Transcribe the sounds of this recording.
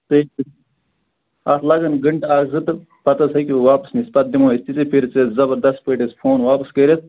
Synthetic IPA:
t̪eːk̚i | ɐslɐɡɐnɡɐɳʈaːɡzɨt̪ɨ | pɐt̪ɐsɐkʲiʋaːpɐ̥snispɐt̪̚d̪imoːit̪it͡sipʰiɾt͡sezɐbɐɾd̪ɐst̪̚pɐʈespʰoːnʋaːpɐskɐɾʲet̪̚ʰ

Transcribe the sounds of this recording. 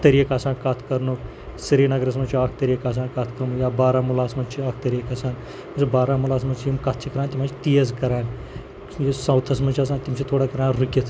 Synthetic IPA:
t̪ɐɾijəkasãːkɐt̪ʰkɐɾnuk | siɾiːnɐɡɾɐs̬mɐt͡ʃʰiaːk̚ʰt̪ɐɾijəkas̬ãːkat̪ʰkɐɾnujaːbaːɾaːmulaːsmɐt͡ʃʰiaːk̚ʰt̪ɐɾijkɐsaːn | mɐsɐbaːɾaːmulaːs̬mɐt͡ʃʰijimkɐt̪̚ʰt͡ʃʰikɐɾaːnt̪imat͡ʃʰit̪ijɐzkɐɾaːn | jesɐ̃wt̪ʰɐsmɐt͡ʃʰias̬aːnt̪imt͡ʃʰit̪ʰoːɽaːkɐɾaːnɾɨkʲit̪ʰ

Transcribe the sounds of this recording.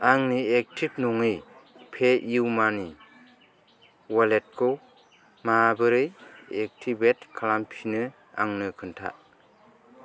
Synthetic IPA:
aŋniek̚tʰip̚nuŋɯjpʰeiwmani | walet̚kʰo | mabɯɾɯjek̚tʰibetkʰalampʰinɯ | a̰ŋnɯkʰɯntʰa̰

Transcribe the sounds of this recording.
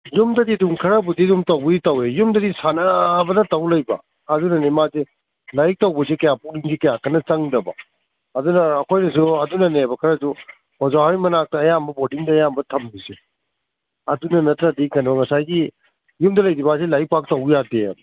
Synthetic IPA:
jumdɐdiduŋkʰɐɾɐbudiduŋtɐwbɐitɐwejumdɐdisanɐbɐdɐtɐwlɐjbɐ̰ː | dunɐnemaze | lajk̚tɐwbɐsekɐjapuliŋsikɐjakʰɐnɐt͡ʃɐŋdɐbɐ̰ | ɐdunɐːkʰojnɐs̬uɐdunɐnebɐkʰɐɾɐsu | hɔzaɦajmɐnak̚tɐːjambɐbodiŋdɐːjambɐtʰɐmbise | ɐdunɐnɐtɾadikajnbɐŋɐsajɡi | jumdɐlɐjdibasilajk̚pak̚tɐwjadḛ

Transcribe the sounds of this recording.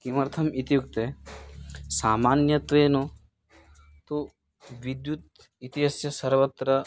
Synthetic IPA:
kimɐɾt̪ʰɐmit̪ijuk̚t̪e | saːmaːnjɐt̪ʋeːno | t̪o | ʋid̪jut̪̚ | it̪iɦɐsjɐsɐɾʋɐt̪ɾɐ

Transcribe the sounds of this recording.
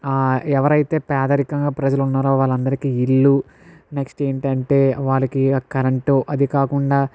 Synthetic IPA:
aːɛʋɐɾɐjt̪e̞ːpɛːd̪ɐɾikɐŋɡaːpɾɐd͡ʒɐlunːaːɾoːʋaːɭːɐnd̪ɐɾikiilːu | neksʈe̞ːɳʈɐɳʈe̞ːʋaːɭɐkikɐɾɐɳʈoʔɐd̪ikaːkuɳɖaː

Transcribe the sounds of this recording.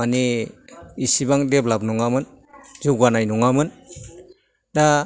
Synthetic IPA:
aniː | sibaŋdeblab̚nɔŋamɯn | zuɡanajnɔŋamɯn | da

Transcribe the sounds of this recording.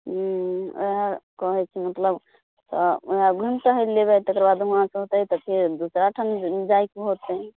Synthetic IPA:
o̰ɦakɔɦɛt͡ʃʰimət̪ləb | t̪ɔoɦaɡʱunt̪əɦəlebɛt̪əkɾəbad̪mɦãsəɦot̪ət̪əkʰed̪usɾaʈʰənd͡ʒaikɦot̪ə

